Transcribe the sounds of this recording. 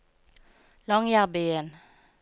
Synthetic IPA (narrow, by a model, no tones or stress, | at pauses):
lɔŋjabeən